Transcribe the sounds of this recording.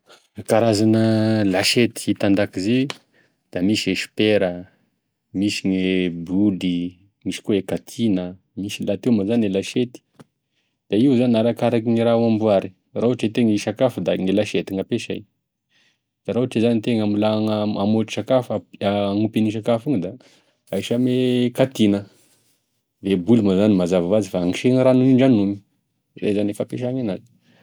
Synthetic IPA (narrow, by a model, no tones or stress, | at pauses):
kaɾazanəlaʃet̪i̥it̪and̪akize | d̪̥amisieʃi̥peɾə | misiŋebuli | misi̥koekat̪ʰinə | misilat̪ewmazanelaʃet̪i̥ | d̪̥aiuzaniaɾakaɾakiŋiɾawambuaɾi̥ | rauaʈ͡ʂet̪eŋiʃakafud̪aŋelaʃet̪iŋapeʃaj | d̪̥aɾauaʈ͡ʂezanit̪eŋamulaŋaamoʈ͡ʂi̥ʃakafaaŋupiniʃ̬akafuŋəd̪a | ajʃamekat̪inə | d̪ebulumazanimazavavazifaaŋiʃeŋɾanuiɳɖ͡ʐanumi̥ | rḛzanefapeʃaŋanazi̥